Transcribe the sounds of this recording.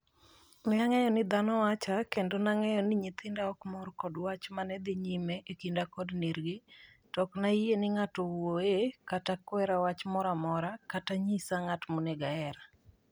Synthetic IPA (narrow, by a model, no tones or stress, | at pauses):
mɪaŋɛjɔnɪd̪anɔwat͡ʃakendonaŋɛjɔnɪɲit̪ɪndaɔkmɔrkɔdwat͡ʃmanɛd̪ɪɲimeʔekindakɔdniɾɡi | tɔknaienɪŋatɔoekatakwɛɾawat͡ʃmɔɾamɔɾakataɲisaŋatmonɛɡaɛɾa